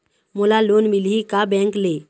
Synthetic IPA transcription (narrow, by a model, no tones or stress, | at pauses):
molaloːnmilɦikabɛ̃ŋkle